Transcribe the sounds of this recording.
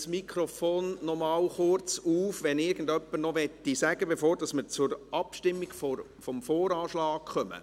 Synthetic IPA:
smikʰɾɔfoːnːɔmɑːwχʊɾt͡suːfʋɛnɪɾɡən̩dœpːəɾnɔʋɛt̪ːisæɡəbɛfoːɾd̥ɑsməɾt͡sʊɾɑpʃtɪmːiɡfo | fɔmfoːɾɑːʃlɑːkχœmə̰

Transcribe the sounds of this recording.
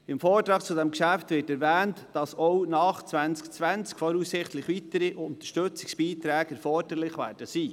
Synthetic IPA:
ɪmfoːtɾɑːk̚t͡sʊdɛmkʃæftʋɪːtɛɾvæːntd̥ɑsɔwnɑːχt͡sʋænt͡skt͡sʋænt͡skfɔɾussɪχtlɪχʋitəɾiʔʊnt̪ə̥ʃtøt͡sɪ̥ksb̥iːtɾæːɡɛɾfɔrd̥əɾlɪχʋæ̰ːɾd̥əsiː

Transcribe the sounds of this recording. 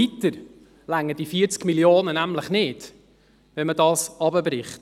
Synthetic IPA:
itəɾ | læŋːəd̥ifiːt͡skmiljoːnənæmləχnɪːd̥ | ʋɛnmədɑːsɑbəbɾɪχt

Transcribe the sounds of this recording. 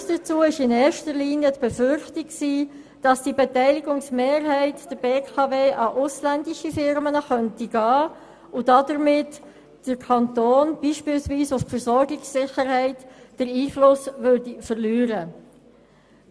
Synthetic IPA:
sd̥ət͡suːɪʃɪnɛːɾʃtəɾliːnjətb̥efʏɾχtikksiː | d̥ɑsd̥ibetɛɪlɪɡʊŋsmeːɾɦɛɪtd̥əɾb̥eːkʰɑveːʔɑʔʊslændɪʃifɪɾmənəχœntiɡ̥ɑː | ʊdɑdəɾmɪt | d̥əɾkʰɑntoːnb̥iːʃpɪːlsviːsʊffəɾsɔɾɡɪksːɪxəɾhɛɪtd̥əɾiːflʊsʋøɾdifəɾlyːɾə

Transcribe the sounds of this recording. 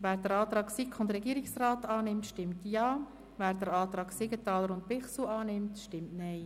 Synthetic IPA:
vɛːɾd̥əɾɑːt̪ɾɑːksikʰʊndɾɛɡiːəɾɪksraːtɑːnɪmtʃtɪmtjɑː | vɛːɾdəɾɑːt̪ɾɑːɡsɪɡətɑːləɾʊnt̚pɪχsuɑːnɪmtʃtɪmtnɛɪ

